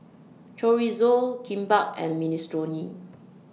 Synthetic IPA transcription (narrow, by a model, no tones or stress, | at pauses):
t͡ʃɔɹizokʰĩmbak̚ɛ̰̃nministɹoni